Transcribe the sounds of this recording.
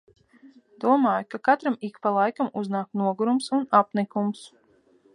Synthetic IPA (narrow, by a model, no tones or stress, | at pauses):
d̪̥uɔmaːjkakat̪ɾamikpalˠajkamuznaːknuɔɡuɾumsunapnikums